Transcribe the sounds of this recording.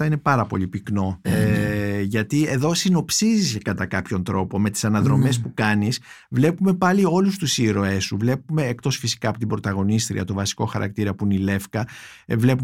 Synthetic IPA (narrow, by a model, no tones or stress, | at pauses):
ɐinepɐɾɐpo̞ʎipikno̞ | ʝɐt̪ie̞ðo̞sino̞psizisekɐt̪ɐkɐpço̞nt̪ɾo̞po̞me̞t̪i̥sɐnɐðɾo̞me̞spukɐnisvle̞pume̞pɐlio̞lust̪usieɾo̞e̞sːuvle̞pume̞ːk̚t̪o̞sfisi̥kɐːpo̞t̪ibɾo̞t̪ɐɣo̞nist̪ɾḭɐ̰t̪o̞vɐsi̥ko̞xɐɾɐ̰k̚t̪iɾɐpuinile̞fkɐvle̞pu